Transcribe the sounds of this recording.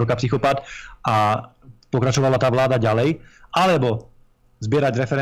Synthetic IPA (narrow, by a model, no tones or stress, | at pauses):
ɔkapsixɔpat̪a | pɔkɾat͡ʃɔʋalat̪aːʋlaːd̪aɟalɛjʔalɛbɔ | zbɪɛɾaɟɾɛfɛɾɛ